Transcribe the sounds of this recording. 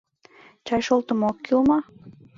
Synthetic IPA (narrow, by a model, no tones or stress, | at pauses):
t͡ɕɑjʃolˠt̪əmokːilmɑ